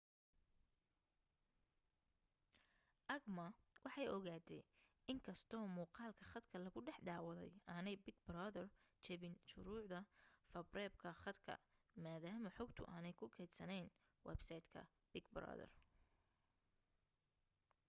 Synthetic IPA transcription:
ʔɐɡmɐwʔɑħɑjɔɣaːt̪ʰɛj | ɪŋkʰɐst̪ʰɔːmuːqɑːlkʰɐχɐd̪kʰɐlɐɣʊɖɛħd̪aːwɐðɛ̰jaːnɛjbɪɡ̚bɾaːðɐrt͡ʃɛβɪnʃʊɾuːʕd̪ɐfɐbrɛːb̚kʰɐχɑd̪kʰɐ̰ | maːðaːmɐħɔɡt̪ʰʊ̰ʔaːnɛjkʰʊkʰɛːd̪sɐnɛjn | wɛ̰bsɐjt̪kʰɐ̰ | b̥ɪɡbɾa̰ðɐ̰r

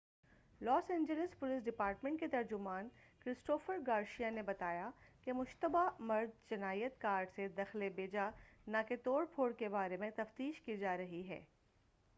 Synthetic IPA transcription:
lɔːsɛ̃ːɲd͡ʒəlɪspʊlis̬ɖɪpaːɾʈmẽɳʈket̪ɐɾd͡ʒʊmaːnkɾɪsʈoːfəɾɡaːɾʃijanebɐt̪aːjakemʊʃt̪əbamɐɾd̪̚t͡ʃɐnaːijət̪kaːɾɖsed̪ɐxlebeːd͡ʒanãket̪oːɽpʰoːɽkebaːɾemẽt̪ɐft̪iːʃkid͡ʒaːɾɐɦiɦɛ̰ː

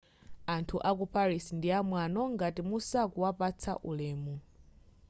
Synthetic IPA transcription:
antʰuʔak̬upaɾisindiamwanɔŋɡatimusakuwapat͡sʰa̰ʔulɛːmu

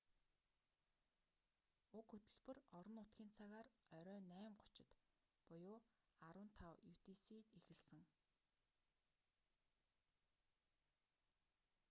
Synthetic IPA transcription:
ʊkxɵt̪ɵ̆ɮpɵ̆rɔɾɞ̆nʊt̪ɡʲiːnt͡sʰaɣaːrœɾʲœːnæːmɢʊ̥t͡ɕɪ̆t̪ | pʊjʊː | aɾwə̆nt̪ʰawjuw̥t̪isiːt̪ixɘ̆ɮsɘ̆ŋ

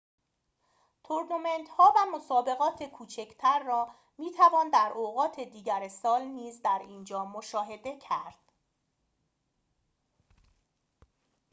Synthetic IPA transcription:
t̪ʰoɾnume̞nt̪hɒːvæmosɒːbe̞ɣɒːt̪ʰe̞kʰuːt͡ʃʰecʰt̪ʰæɾːɒː | miːt̪ʰævɒːnd̪æɾʔoɣɒːt̪ʰe̞d̪iːɟæɾsɒːlniːzd̪æɾiːnd͡ʒɒːmoʃɒːɦe̞d̪e̞cʰæɾd̪̥

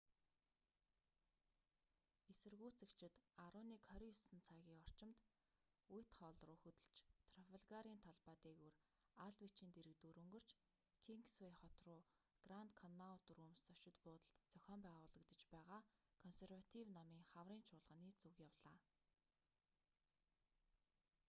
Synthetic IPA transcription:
esɘ̆rɣuːt͡sɘ̆kt͡ɕʰɪ̆t̪aɾʊːniːkʰœɾʲisɘ̆nt͡sʰaːɣʲiːŋɔr̥t͡ɕɪ̆mt̪ | ujʰt̪χɔːɮrʊːxɵt̪ɘ̆ɮt͡ɕt̪ʰrɔfeɮɣaɾiːnt̪ʰaɮpaːt̪iːɣur | aɮwit͡ɕĭnt̪eɾɘ̆kt̪uːɾɵ̆ŋɡɵ̆r̥t͡ɕ | kʰiŋksweχɔt̪rʊː | ɡ̥rant̪kʰɔnːawt̪uruːmst͡sœʃɪ̆t̪pʊːt̪ə̆ɬt̪t͡sœxʲɔːmpæːʁʊːɮə̆kt̪ə̆t͡ɕpæːʁaːkʰɔnserwat̪ʰiwnamiːŋχawriːnt͡ɕʰʊːɮʁ̥ə̆ːniːt͡sukjawɮaː

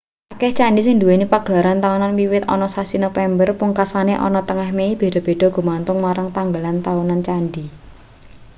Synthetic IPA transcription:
ʔakɛht͡ʃaɳɖisɪŋd̪uwenipaɡ̥əlaɾant̪aunanwiwɪt̪ɔ̰nɔsasinofɛmbərpuŋkasaneʔɔ̰nɔt̪əŋahmeib̥e̤ɖ̥ɔ̤b̥e̤ɖ̥ɔ̤ɡ̥ṳmant̪ʊŋmaɾaŋt̪aŋɡəlant̪aunant͡ʃanɖi

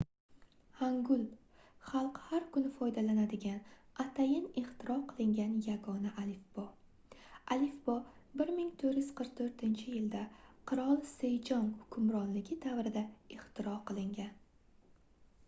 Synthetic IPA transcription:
haŋɡʊlˠ | χɑlˠqhaɾkʰʊnɪfɒjd̪alanad̪ɪɡʲanat̪ʰajɪnɪχt̪ʰɪɾɒqʰɨlˠɪŋɡʲanjaɡɒnaʔalɪfb̥ɒ | alɪfbɒbɪɾmɪŋt̪ʰoɾjʏz̥qʰɨɾq̚t̪ʰoɾt̪ʰɪnt͡ʃʰɪjɪld̪aqʰɨɾɒlˠsejd͡ʒɒŋhʊkʰʊmɾɒnlɪɡʲɪd̪avɾɪd̪aɪχt̪ʰɪɾɒqʰɨlˠɪŋɡʲan

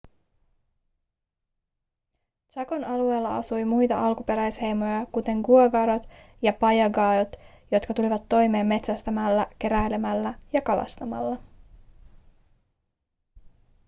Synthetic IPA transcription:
t̪sɑkonɑlue̞ːlːɑɑsujmujt̪ɑʔɑlkupe̞ɾæjshe̞jmo̞jɑkut̪e̞ŋɡuoɡɑɾo̞t̪ | jɑpɑjɑɡɑːdot̪ | jo̞t̪kɑt̪uliʋɑt̪ːo̞jme̞ːmːe̞t̪sæst̪æmælːæke̞ɾæjle̞mælːæjɑkɑlɑ̰st̪ɑmɑ̰lːɑ

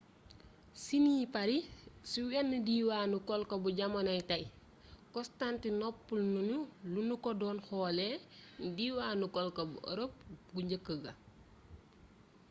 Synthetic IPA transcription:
siniːpɐɾisiwɛnːədiːwaːnukɔlkɐbuɟɐmɐnɐjtɐj | kɔstantinɔpːulnunulunukɔdɔːnxɔːlɛdiːwaːnukɔlkɐbuə̰ɾop̚ɡuɲɟəkːəɡɐ

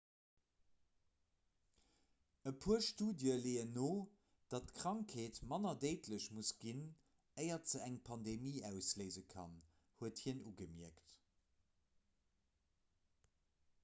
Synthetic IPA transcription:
əpʰuəʃtuːdjəleːənoː | d̥ɑtkʁ̥ɑŋkʰeːtmɑnɐdeɪtʰləɕmusɡ̥in | əɪɐtz̥əæŋpʰɑndemiːæʊsləɪzəkʰɑ̰n | huəthiənuɡəmiəkt

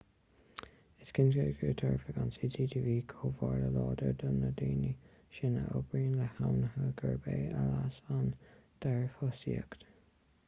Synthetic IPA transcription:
ɪskɪnzɡəɡət̪ʰɔɹfəɡɑnsiːtʰiːdʰiviːkʰoːvaɹləlɔːd̪əɹd̪ənəd̪iːni | ʃɪnə̰ʔʊbɹiːnləhawnəhəɡəɹbeːalasand̪̥ɛɹfɔsiəkt̪

